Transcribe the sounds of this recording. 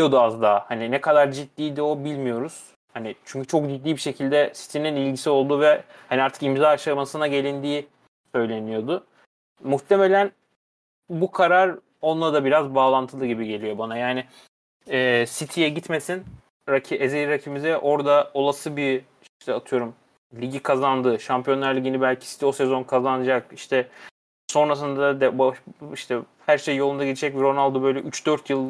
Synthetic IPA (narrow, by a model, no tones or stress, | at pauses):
o̞d̪uazd̪aːhaninɛkʰad̪aɾd͡ʒit̪ːiːd̪io̞bilʲmijo̞ɾuz̥ | hanit͡ʃʰyɲcy̥t͡ʃʰo̞k̚d͡ʒid̪lːiːbiʃe̞cʰilʲd̪ɛsi̥t̪ʰininilʲɟisio̞lˠd̪uvɛhaniaɾt̪ʰɯkimzaaʃamasɯnaɟe̞lʲind̪iː | sø̞jlʲe̞nijo̞d̪ʊ | muxt̪ʰe̞me̞lʲæn | bukʰaɾaɾ | o̞nlˠad̪abiɾazbaːlˠant̪ʰɯlˠɯɟibiɟe̞lijo̞banajaːnɪ | ɛːsit̪ʰijɛɟit̪me̞sin | ɾacʰiʔezejiɾacʰibimizɛʔo̞ɾd̪ao̞lˠasɯbi | iʃt̪ʰɛat̪ʰɯjo̞ɾum | lʲiɟikʰazand̪ɯːʃampʰijo̞nlˠaɾlʲiɟinibælʲcʰi̥si̥t̪ʰio̞sɛzo̞nkʰazanɯd͡ʒakiʃt̪ʰɛ | so̞nɾas̬ɯnd̪d̪ɛbaiʃt̪ʰɛ | hæɾʃejːo̞lˠund̪aɟit̪ʰid͡ʒɛcvɾo̞nalˠd̪ubø̞jlʲɛʔyt͡ʃd̪øɾt̪ʰjɯlˠ